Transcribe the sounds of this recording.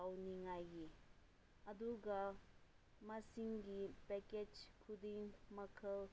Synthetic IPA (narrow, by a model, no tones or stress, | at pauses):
awniŋajɡi | ɐd̪uɡa | mɐsiŋɡipɛked͡ʒkʰudiŋmɐkʰəl